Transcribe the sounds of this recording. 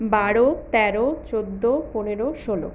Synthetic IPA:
baɽot̪ɛɾot͡ɕod̪ːoponeɾoʃolo̰

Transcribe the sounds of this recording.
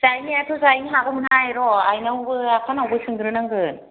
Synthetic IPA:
zajniatʰɔzajnɦaɡɯmɯnajɾɔajnawbɯak̚tʰanawbɯsɯŋɡɯɾɯnaŋɡɯn

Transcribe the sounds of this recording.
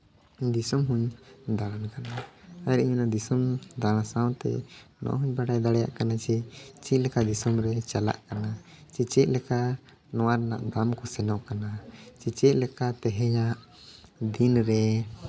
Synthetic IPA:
d̪isɔmɦuɲd̪aɽankanaaaɾiɲunad̪isɔmd̪aɽ̃ãsawt̪ɛ̰nɔ̰ʔɦuɲbaɖajd̪aɽɛja̰ʔkanat͡ʃɛt͡ʃɛt̪̚lɛkad̪isɔmɾɛt͡ʃala̰ʔkana | t͡ʃit͡ʃɛc̚lɛka | nɔwaɾna̰ʔd̪amkɔsɛnɔʔkanat͡ʃit͡ʃɛʔ̪̚lɛkat̪ɛɦɛɲaʔ | d̪inɾɛ

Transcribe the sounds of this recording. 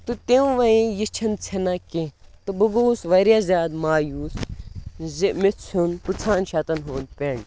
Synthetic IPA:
t̪ut̪ẽʋɐĩjist͡ʃʰɐnt͡sʰenaket̪ɨbuɡoːsʋɐɾjazʲaːd̪maːjuːs | zmitt͡sʰunput͡sʰaːnʃɐt̪ɐnɦoːnpʲeɳ

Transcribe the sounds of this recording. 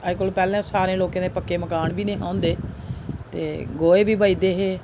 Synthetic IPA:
əkoːlpɛːlɛ̃ːsaːɾẽːloːkãːd̪eːpəkːeːməkaːɳbiːnẽːɦã̰ːnd̪eː | t̪ḛːɡoːeːbiːbaːiːd̪eːɦeː

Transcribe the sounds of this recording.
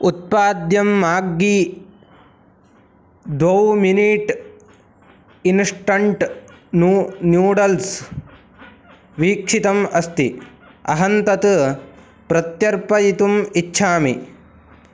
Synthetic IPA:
ut̪̚paːd̪jɐmːaːɡːi | d̪ʋɐwminiʈ | insʈɐɳʈnunjuːɖɐls | ʋiːkʂit̪ɐmɐst̪i | ɐ̰ɦɐnt̪ɐt̪ | pɾɐt̪jɐɾpɐjit̪umitːʃʰaːmi

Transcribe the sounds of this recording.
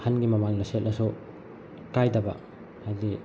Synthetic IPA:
hanɡimɐmaŋlɐset̚nɐsu | kajdɐbɐ̰ | hajdi

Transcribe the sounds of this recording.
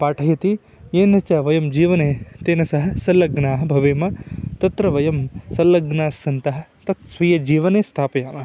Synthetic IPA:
paːʈʰɐjɐt̪i | eːnɐt͡ʃɐːʋɐjɐmd͡ʒiːʋɐneːt̪eːnɐsɐɦɐ̆sɐlːɐɡnaːɦɐbʱɐʋeːmɐt̪ɐt̪ɾɐʋɐjɐmsɐlːɐɡnaːsːɐnt̪ɐɦɐ̆t̪ɐt̪sʋɐjɐd͡ʒiːʋɐneːst̪ʰaːpɐjaːmɐ

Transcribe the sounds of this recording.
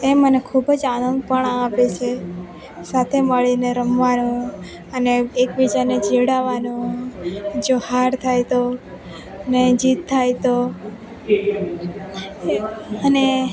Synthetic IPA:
emənekʰubəd͡ʒanə̃nɡ̪̚pəɳ̃ãːpet͡ʃʰe | sat̪ʰeməɭineɾəmʋanũ | əneekʋid͡ʒaned͡ʒeɽaʋanũ | d͡ʒohaɾt̪ʰajt̪o | əned͡ʒit̪ʰːajt̪o | əne

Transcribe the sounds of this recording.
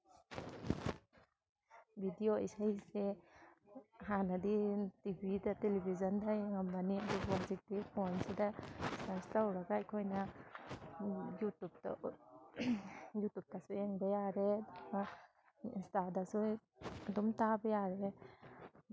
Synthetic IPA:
bʱidioejsajse | ɦanaditibʱidatelibʱizɔndajŋambaniadubazik̚tipʰɔnsidasaɾstawɾaɡajkʰɔjna | jutub̚ta̰ | jutub̚tasuɛŋbejaɾeda | instadasu | adɔmtabejaɾe

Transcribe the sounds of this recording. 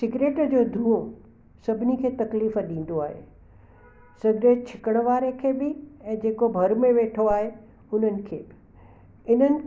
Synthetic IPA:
sɪɡɾeːʈd͡ʑoːd̪ʱũːõ | sɐbʱɪnikʰeːt̪ɐkliːfɗĩːn̆d̪oaːɦḛː | sɐɡɾet͡ɕʰɪ̥kəɽ̃əʋaːɾekʰeːbɪɛ̃ːd͡ʑeːkobʱɐɾmẽʋeːʈʰoaːɦe | ʊn̤ənɪ̆kʰeːbɪ | ɪnənɪ̆

